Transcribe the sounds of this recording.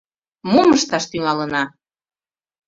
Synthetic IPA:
muməʃt̪ɑʃt̪yŋɑlənɑ

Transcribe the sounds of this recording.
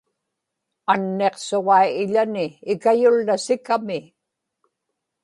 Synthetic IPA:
anːe̞qsoʁɑiɪʎanɪːkajʊlːasɪkamɪ

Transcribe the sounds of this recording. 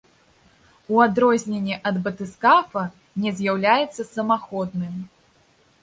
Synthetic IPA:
uad̪ɾɔzʲnʲenʲːɛʔɐd̪bɐt̪ɨskafɐ | nʲɛzʲjawlʲajɛt̪sːɐsɐmaxɔd̪nɨm

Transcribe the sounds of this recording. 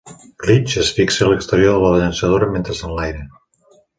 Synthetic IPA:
klit͡ʃesfikseləkst̪əɾioɾðəlaβaʎənsəð̞oɾəmẽnt̪ɾəsanlajɾe

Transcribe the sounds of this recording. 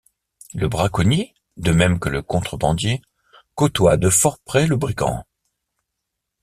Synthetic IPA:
ləbʁakɔni | d̪əmɛmkələkɔ̃t̪χəbɑ̃d̪je | kot̪wad̪əfɔʁpχɛləbʁiɡɑ̰̃

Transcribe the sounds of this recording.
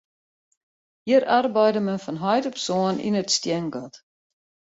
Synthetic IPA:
hiəɾɐrbɐjdəmənfɐnɦɐjtɔpsɔːnḭnətstiəŋɡɔt

